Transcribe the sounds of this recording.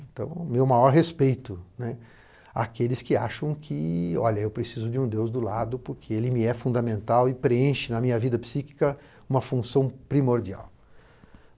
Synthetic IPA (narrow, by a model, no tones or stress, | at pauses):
ẽnt̪ɐ̰̃w̃mewmajɔɾɦespejt̪ʊnɛ | a̰kelɪskɪa̰ʃɐ̃w̃kʰɪɔ̰ʎɐewpɾesizʊd͡ʒɪũd̪ewzd̪ʊlad̪ʊpʊɾkʰeelɪmɪɛfũnd̪ɐmẽnt̪awɪpɾeẽʃɪnɐmĩɲɐvid̪ɐpsiki̥kɐ | ũmɐfũsɐ̃w̃pɾimoɾd͡ʒia̰w